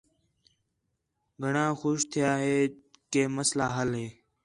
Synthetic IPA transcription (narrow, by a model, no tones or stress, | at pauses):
ɡʱəɳãːxoːʃt̪ʰɪjaːɦeːkeːməslaːɦəlɦeː